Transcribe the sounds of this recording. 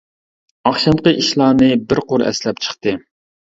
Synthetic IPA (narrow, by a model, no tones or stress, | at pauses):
ɑχʃɑnqəiʃlˠɑːnɨbɪɾqʰoɾɛ̰slɛp̚t͡ʃʰə̥χt̪ɨ